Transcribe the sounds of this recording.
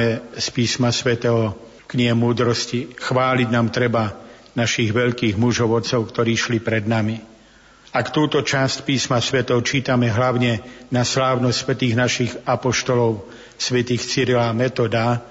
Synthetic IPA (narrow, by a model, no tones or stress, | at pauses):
ɛspiːsmasʋɛt̪ɛɦɔ | kɲiɦɛmuːd̪ɾɔscixʋaːliɟnaːmt̪ɾɛbanaʃiɣʋɛʎkiːɣmuʒɔʊɔt̪t͡sɔʊkt̪ɔɾiːʃlipɾɛd̪nami | akt̪uːt̪ɔt͡ʃascpiːsmasʋɛt̪ɔʊt͡ʃiːt̪amɛɦlaʊɲɛnaslaːʊnɔsʲsʋɛt̪iːɣnaʃiɣapɔʃt̪ɔlɔʊ | sʋɛt̪iːxt͡siɾlamɛt̪ɔd̪a